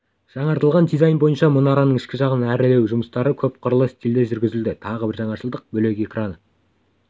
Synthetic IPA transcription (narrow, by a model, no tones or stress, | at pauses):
ʒ̥ɑɴɑɾt̪əlˠʁɑnd̪ijzɑjnbo̞jənʃɑmʊnɑɾɑnəɴɪʃkʲɪʒɑʁənæɾle̞wʒʊməst̪ɑɾəkʲʰɵp̚qʰʊɾlˠəst̪ʲild̪e̞ʒʏɾɡʲɪzɪld̪ɪt̪ʰɑʁəbɪɾʒɑɴɑʃəlˠd̪əq̚bɵle̞kʲe̞krʔanə